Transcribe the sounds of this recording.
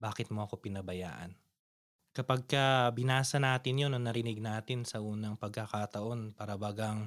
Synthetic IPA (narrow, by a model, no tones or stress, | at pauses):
baːkɪt̪̚mo̞ʔɐko̞pɪnɐbɐja̰ːʔɐ̰n | kɐpɐɡ̚kɐbɪnaːsɐnaːt̪ɪnjonɐŋnɐɾɪnɪɡ̚naːt̪ɪnsɐʔuːnɐŋpɐɡ̚kɐkat̪ɐʔo̞npaɾɐwaːɡɐŋ